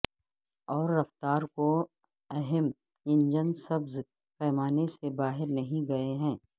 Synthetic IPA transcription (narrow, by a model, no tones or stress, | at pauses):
ɔːɾːɐft̪aːɾko | ɛɦɛm | ɪ̃nd͡ʒənsɐbz | pɛːmaːnesebaːɦɪɾnɐɦĩɡɐeɦɛ̃ː